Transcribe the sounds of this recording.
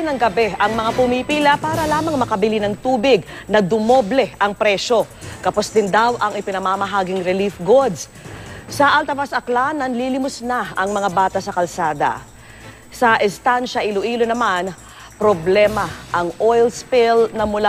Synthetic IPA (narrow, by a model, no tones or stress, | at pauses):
nɐŋɡɐbɛɐŋmɐŋapʊmipiːlɐpaːɾɐlaːmɐŋmɐkɐbɪlinɐŋt̪uːbɪɡ̚nɐd̪ʊmoblɛʔɐŋpɾɛʃo̞ | kɐposd̪ɪnd̪awʔɐŋɪpɪnɐmamɐɦaːɡɪŋɾɛlifɡod̪s | sɐʔɐlt̪ɐvasɐklanɐnlilɪmʊsnaɐŋmɐŋabaːt̪ɐsɐkɐlsaːd̪ɐ̰ | sɐʔɛst̪anʃɐʔɪlʊʔiːlonɐman | pɾoblɛmɐʔɐŋʔojlspɪlnɐmʊla